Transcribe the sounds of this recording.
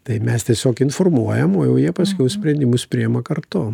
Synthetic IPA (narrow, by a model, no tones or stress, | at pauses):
t̪ɐɪmʲɛst̪ʲiɛsʲoːkɪnformuɔjɛmoːjɛʊjiɛpɐsʲkʲɛʊsʲpʲɾʲɛnʲd̪ʲɪmʊspʲɾʲɪjɛmɐkɐrt̪ʊ